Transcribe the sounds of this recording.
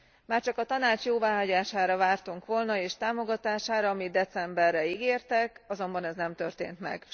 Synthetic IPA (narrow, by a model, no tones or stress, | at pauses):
maːrt͡ʃɒkɒt̪ɒnaːt͡ʃjoːvaːɦɒɟaːʃaːɾɒvaːrt̪uŋkʋo̞lnɒeːʃt̪aːmo̞ɡɒt̪aːʃaːɾɒɒmid̪̚d̪ɛt̪sɛmbɛrːɛiɡeːrt̪ɛkɒzo̞mbɒnɛznɛmt̪ø̞rt̪ḛːnt̪mɛ̰ɡ̥